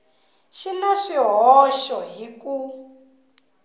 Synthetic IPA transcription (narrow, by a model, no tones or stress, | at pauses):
ʃinaʃiɦɔʃɔɦiku